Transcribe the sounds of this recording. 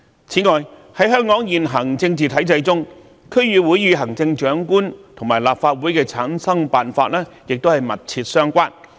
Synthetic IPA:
t͡sʰiː˨˥ŋɔː˨jhɐ˨˥jɦœː˥ŋkɔː˨˥ŋjiː˨nɦɐ˨˩ŋt͡sɪ˧ŋt͡siː˨t̪ʰɐ˨˥jt͡sɐ˧jt͡sʊ˥ŋ | kʰɵ˥ɥjyː˨˩wuː˨˥jːyː˨˧ɦɐ˨˩ŋt͡sɪ˧ŋt͡ʃœː˨˥ŋkuː˥nt̪ʰʊ˨˩ŋmaː˨˩jlaː˨p̚faː˧t̚wuː˨˥jkɛː˧t͡sʰaː˨˥nsɐ˥ŋpaː˨nfaː˧t̚lɛː˥jɪ˨k̚t̪o˥whɐ˨jmɐ˨t̚t͡sʰiː˧t̚sœː˥ŋkʷaː˥n

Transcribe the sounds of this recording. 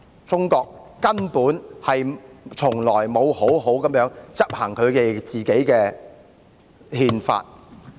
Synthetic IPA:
t͡sʊ˥ŋkɔː˧k̚ːɐ˥npuː˨˥nhɐ˨jt͡ʃʰʊ˨˩ŋlɔː˨˩jmo˨˧who˨˥wɦo˨˥wkɐ˨˥mjœː˨˥ŋt͡sɐ˥p̚haː˨˩ŋkʰɵ˨˧t̪e˨˧jt͡siː˨˩ke˨˥jkɛː˧ | hiː˧nfa̰ː˧t̚

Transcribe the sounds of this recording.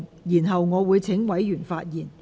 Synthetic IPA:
jiː˨˩nɦɐ˨wŋɔː˨˧wuː˨˧jt͡sʰɪ˨˥ŋwɐ˨˥jjyː˨˩nfaː˧t̚jiː˨˩n

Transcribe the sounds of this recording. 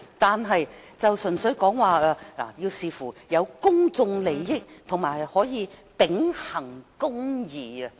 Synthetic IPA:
t̪aː˨nɦɐ˨jt͡sɐ˨wsɵ˨˩nsɵ˨˥ɥkɔː˨˥ŋwaː˨˧a˧la̰ː˨˩jiː˧wsiː˨˧fuː˨˩jɐ˨˧wkʊ˥ŋt͡sʊ˧ŋle˨˩jːɪ˥k̚t̪ʰʊ˨˩ŋmaː˨˩jhɔː˨˥jiː˨˧pɪ˨˥ŋhɐ˨˩ŋkʊ˥ŋjiː˨˩ɐ˧

